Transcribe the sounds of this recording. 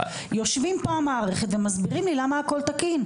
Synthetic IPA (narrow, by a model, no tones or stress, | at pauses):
jo̞ʃvimpaamaːʁeχet̪vemazbiʁimlilamaːko̞lt̪akin